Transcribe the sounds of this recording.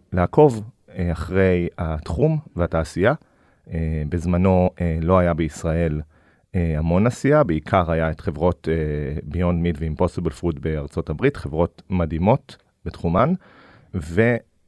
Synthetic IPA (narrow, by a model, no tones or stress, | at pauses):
leakʰo̞v | aχʁe̞jatχumveataːsija | ebezmano̞elo̞ajabe̞isʁae̞l | eamo̞nasijabeikʰaʁajaetχe̞vʁo̞tebio̞ndmidveimposobelfʁudbe̞aʁt͡so̞tabʁitχe̞vʁo̞tmadimo̞t | b̥etχuman | ve